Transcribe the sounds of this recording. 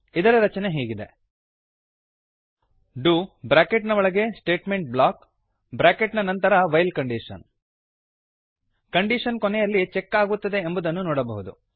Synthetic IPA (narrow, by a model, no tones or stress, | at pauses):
id̪ɐɾɐɾɐt͡ʃɐneɦeːɡid̪e̞ | ɖubɾaːkeʈnɐʋɔɭɐɡe̞sʈeːʈmeɳʈ̚blaːk | bɾaːkeʈnɐnɐnt̪ɐɾɐʋɐjlkɐɳɖiʂɐ̰n | kɐɳɖiʂɐnkonejɐlːit͡ʃɛkːaːɡut̪ːɐd̪e̞ːmbud̪ɐnːunɔːɽɐbɐɦud̪u